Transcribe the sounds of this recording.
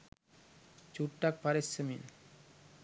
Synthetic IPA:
t͡ɕuʈʈak̚paɾesemin

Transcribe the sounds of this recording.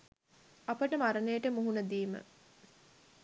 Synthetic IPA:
ɐpəʈəmaɾənejəʈəmuɦunəd̪iːmə̰

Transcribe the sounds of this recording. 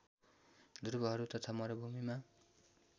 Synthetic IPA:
d̪uɾbʌɦʌɾut̪ʌt̪ʰamʌɾobʱumima

